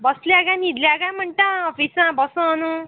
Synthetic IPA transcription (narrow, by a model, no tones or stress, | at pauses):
bʱʌsljaɡãnid̪ljaɡãməɳʈãɔpʰisãbʱʌsõnu